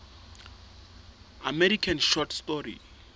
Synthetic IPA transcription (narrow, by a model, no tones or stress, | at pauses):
amɛɾikʰãnʃɔtʰstɔɾḭ